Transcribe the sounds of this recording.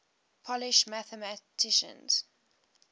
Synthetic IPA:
pʰɔlɪʃmæθəmatʰɪʃə̰̃nz̥

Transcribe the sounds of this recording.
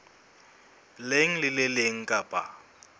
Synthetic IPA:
leŋ̩lɪlɪleŋ̩kʼapʼa̰

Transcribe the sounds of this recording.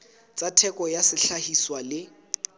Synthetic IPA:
t͡sʼatʰɛkɔjasɪɬahiswalɪ

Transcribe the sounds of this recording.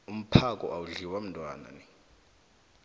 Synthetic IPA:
um̩pʰakʼɔ̰ʔawuɮiwam̩ntʼwa̰ːna̰ni

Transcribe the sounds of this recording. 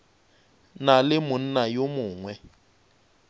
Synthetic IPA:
nalɪmʊn̩najomʊːŋwɛ

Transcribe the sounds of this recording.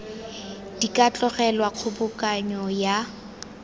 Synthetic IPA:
d̥ikʼat͡ɬʼɔχɛlwaq͡χʰʊbʊkʼaɲɔja

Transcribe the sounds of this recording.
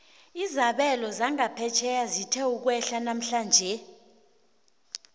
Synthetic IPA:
izaɓɛlɔzaŋapʰɛt͡ʃʰɛjazitʰɛuk̬wɛɬanam̩ɬaːnd͡ʒʱɛ

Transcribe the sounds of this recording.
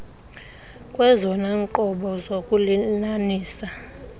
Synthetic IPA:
kʼwɛzɔnaŋǃɔɓɔzokʼulinaniːsa

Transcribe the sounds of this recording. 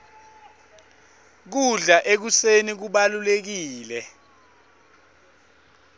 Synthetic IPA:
k̬uɮaʔek̬usenik̬uɓalulek̬iːlɛ

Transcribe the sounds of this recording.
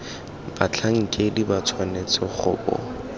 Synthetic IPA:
b̥at͡ɬʰaŋ̩kʼedibat͡sʰwanet͡sɔχʊ̰bɔ̰

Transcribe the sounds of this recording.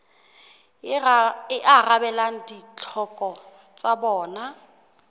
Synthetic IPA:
ɪʔarabɛlaŋ̩dit͡ɬʰɔkʼɔ | t͡sʼabɔːna

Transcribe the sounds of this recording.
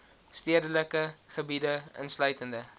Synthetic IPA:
stiədələkəχəbidəə̰nslœɥtəndə

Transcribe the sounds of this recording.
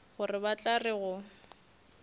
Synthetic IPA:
ɣʊrɪbat͡ɬʼarɪɣʊ

